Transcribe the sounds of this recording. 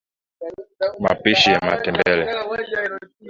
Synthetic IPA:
ma̰piʃijama̰tɛmbɛlɛ

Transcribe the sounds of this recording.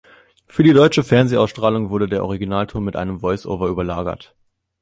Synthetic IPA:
fyːɐdiːdɔʏt͡ʃəfɛɐnzeʔaʊsʃtʁ̥aːlʊŋvʊɐdədeːɐʔɔʁiɡinaːltʰʊɐmːɪtʔaɪnəmvɔʏsʔo̰ːvɐʔyːbɐlaːɡɐ̰t

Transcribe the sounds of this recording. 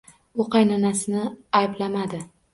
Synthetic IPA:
ʊqɑjnanasɪnɪajblamad̪ɪ

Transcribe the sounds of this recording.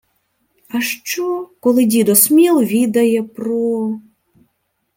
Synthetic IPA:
aʂt͡ʃɔkɔlˠɨdʲid̪ɔsmʲɛlˠvʲid̪ɐjɛpɾɔ

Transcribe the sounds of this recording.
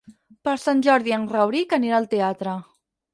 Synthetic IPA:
pəɾsanʲʒɔɾðiənrəwɾikəneɾaːlˠt̪eat̪ɾə

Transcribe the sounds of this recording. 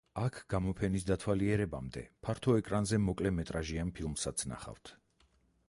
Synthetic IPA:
akʰɡ̥amɔpʰɛnisd̪at̪ʰwaliɛɾɛba̰md̪ɛ̰pʰaɾt̪ʰɔɛkʼɾanzɛmɔkʼlɛmɛt̪ʼɾaʒianpʰilˠmsat̪sʰna̰χa̰ft̪ʰ

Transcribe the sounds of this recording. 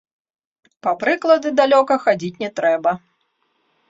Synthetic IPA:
pɐpɾɨklˠɐd̪ɨd̪alʲɔkɐxad͡zʲit͡sʲnʲɛt̪ɾɛbɐ

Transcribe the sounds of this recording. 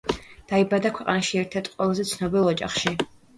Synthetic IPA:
d̥aibad̪akʷʰaqʼanaʃiɛrt̪ʰat̪ʼqʷʼɔlˠzɛt͡sʰnobɛlɔt͡ʃʼa̰χʃi

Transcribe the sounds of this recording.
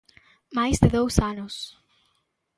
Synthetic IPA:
majzðɪðowsanʊs

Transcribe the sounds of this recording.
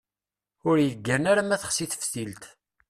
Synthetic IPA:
ʊɾjəɡːənaɾamæθəχsiθə̥fθilt̪

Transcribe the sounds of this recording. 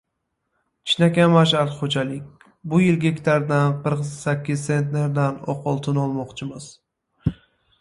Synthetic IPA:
t͡ʃt͡ʃʰnakʲamaʃ̬aɾt̪χod͡ʒalɪkʲ | bʊjɪlɡʲekʲt̪ʰaɾd̪anqʰɨɾqsakʲːɪzse̞nt̪ne̞ɾd̪anɒ̰qʰɒlˠt̪ʰɪnɒlˠmɒqt͡ʃʰɪmɪz̥

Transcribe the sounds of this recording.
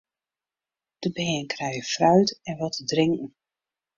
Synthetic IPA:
d̥əbɛɛːnkʰrɛjəfrœɥtɛnʋɔtʰədrɪŋkn̩

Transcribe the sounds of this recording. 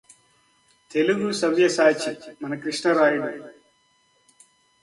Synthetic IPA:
t̪e̞luɡusɐʋjɐsaːt͡ʃimɐnɐkɾiʂɳɐɾaːjuɽɐ

